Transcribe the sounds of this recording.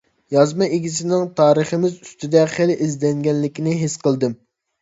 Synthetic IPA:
jɑzmɑeɡʲis̬ɪnɪŋt̪ʰɑːɾəχəmɪzyst̪ɪd̪ɛχelʔizd̪ɛŋɡʲɛnlɪkʲinɪɦesqəlˠd̪ɨm

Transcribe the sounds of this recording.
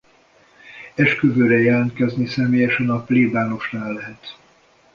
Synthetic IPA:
ɛʃkøvøːɾɛjɛlɛnt̪kɛznisɛmeːjɛʃɛnɒpleːbaːno̞ʃnaːlːɛɦɛt̪

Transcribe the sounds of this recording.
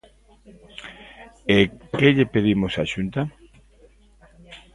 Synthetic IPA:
ekeʎepeðimosaʃunt̪a

